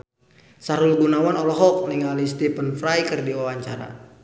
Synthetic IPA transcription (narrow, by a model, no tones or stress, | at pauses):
saɾulɡunawanɔlɔɦɔk̚niŋalist̪ipənfɾajkərdiwawaɲt͡ʃaɾa̰